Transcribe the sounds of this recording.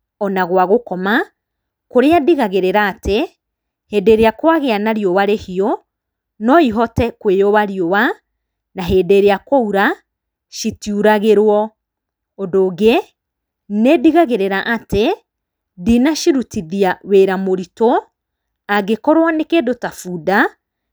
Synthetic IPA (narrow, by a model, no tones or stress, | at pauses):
ɔnaɣwaɣokɔma | koɾeadiɣaɣeɾeɾaːte | hedeɾeakwaɣeanaɾjowaɾehiɔ | nɔiɦɔtɛkwejɔwaɾiowa | naɦedeɾeakouɾa | ʃitjuɾaɣeɾwɔ | odoːɡe | nediɣaɣeɾeɾaʔate | dinaʃiɾutiðiaweːɾamoɾito | aɡekɔɾwanekedotafuda